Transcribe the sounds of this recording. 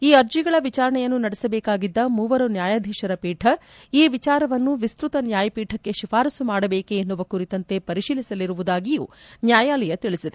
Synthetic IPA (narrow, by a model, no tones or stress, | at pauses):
iːɐɾd͡ʒiɡɐɭɐʋit͡ʃaːɾɐɳɛjɐnːunɐɽɛsɐbɛːkaːɡid̪ːɐmuːʋɐɾunjaːjaːd̪ʱiʃɐɾɐpiːʈʰɐ | iːʋit͡ʃaːɾɐʋɐnːuʋist̪ɾut̪ɐnjaːjɐpiːʈʰɐkːe̞ʃifaːɾɐsumaːɽɐbeːkeːnːuʋɐkuɾit̪ɐnt̪e̞pɐɾiʃiːlisɐliɾuʋud̪aːɡijṵːnjaːjaːlɛjɐt̪iɭisid̪e